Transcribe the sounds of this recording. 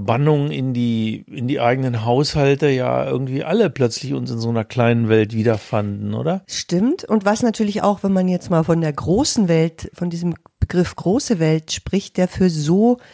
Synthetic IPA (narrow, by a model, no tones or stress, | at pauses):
banʊŋɪndiːɪndiːʔaɪɡənənɦaʊshaltəja̰ːʔɪ̰ɐɡŋ̩tv̥iːʔaləplœt͡slɪçʊnsɪnzoːnɐkl̥aɪnənvɛltv̥iːdɐfandn̩ʔo̰ːdɐʃtɪmtʊntv̥asnatʰyːɐlɪça̰ʊxv̥ɛnmanjɛt͡stmaːlfɔndeːɐɡʁoːsn̩vɛltfɔndiːzəmb̥əɡʁɪfɡ̥ʁoːsəvɛltʃpʁ̥ɪçt̚d̥eːɐfyːɐzoː